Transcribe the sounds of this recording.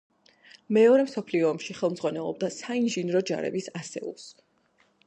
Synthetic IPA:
mɛɔɾɛmsɔpʰliɔːmʃiχɛlˠmd̪zʁwanɛlˠɔ̰b̚d̪asainʒinɾɔd͡ʒa̰ɾɛ̰bisasɛ̰ṵlˠs

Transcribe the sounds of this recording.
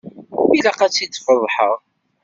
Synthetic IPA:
ilaqæt͡sːid̪fəðˤħəʁˤ

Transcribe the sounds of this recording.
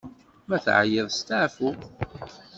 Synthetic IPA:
mæθʕa̰jɪðˤst̪aʕfu

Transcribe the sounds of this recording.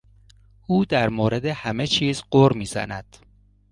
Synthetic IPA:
ʔuːd̪æɾmoːɾe̞d̪ehæme̞t͡ʃʰiːzɢoɾmiːzæ̰næd̪̥

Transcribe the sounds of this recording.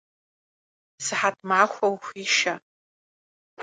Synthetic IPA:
sɨħatʰmʕaxʷawxʷiʃa

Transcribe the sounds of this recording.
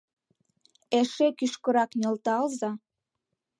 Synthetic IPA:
eʃekyʃkə̆ɾɑknʲə̆lt̪ɑlzɑ

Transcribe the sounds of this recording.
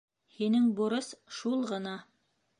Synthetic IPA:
hinɘŋbuɾɤsʃulˠʁɤ̆nɑ

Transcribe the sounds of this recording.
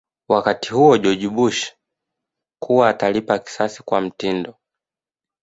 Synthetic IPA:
wakati̥huɔʄɔʄiɓuʃḁ | kʰuwaːtalipaki̥sasi̥kwam̩tindɔ

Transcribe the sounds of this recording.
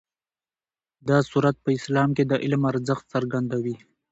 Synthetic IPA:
d̪ɑsuɾat̪̚pəɪslɑmked̪əʔɪlmaɾzəxt̪səɾɡand̪awi

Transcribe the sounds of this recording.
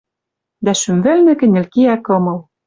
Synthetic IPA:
d̪æʃymvɘ̆lnɘ̆kɘ̆nʲɘ̆lkiækɤ̆mɤ̆l

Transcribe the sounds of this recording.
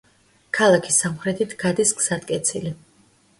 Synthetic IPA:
kʰalˠakʰisamχɾɛt̪ʰit̪ʰɡ̥ad̪isɡz̥ad̪kʼɛt̪sʰili

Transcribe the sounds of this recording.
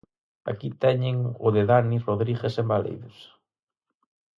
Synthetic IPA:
a̰kit̪ɛɲɪŋʊðɪðaniroðɾiɣesembalḛjðʊs

